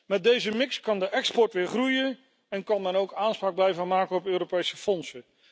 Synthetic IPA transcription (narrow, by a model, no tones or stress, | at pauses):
mɛt̚dejzəmɪkskɑndəʔɛkspɔɹtʋɪːɹχrujən | ɛnkɑnmɛnowkaːnspraːɡ̚blɛjvəmaːkəɔpøːropejsəfɔnsə